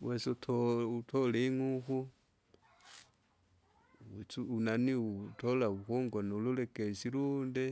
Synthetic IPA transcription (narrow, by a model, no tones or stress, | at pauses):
wʔesotʰoutʰoleŋuxu | t͡suunaniutolauxuːŋɡonoululekesiluːnde